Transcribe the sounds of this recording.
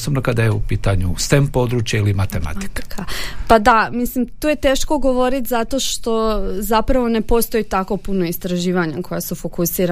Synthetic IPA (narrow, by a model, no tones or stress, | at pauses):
sobnokad̪ajeupiːt̪aɲṵst̪empo̞d̪ɾuːt͡ʃjailimat̪ema̰t̪i̥kkʰapad̪amislimt̪uːje̞t̪e̞ːʃko̞ɡo̞ʋo̞ɾit̪zat̪o̞ʃt̪o̞zapɾaʋo̞ne̞po̞st̪o̞jit̪ako̞puno̞ist̪ɾaʒiːʋaɲakʰo̞jasufo̞kusiːɾa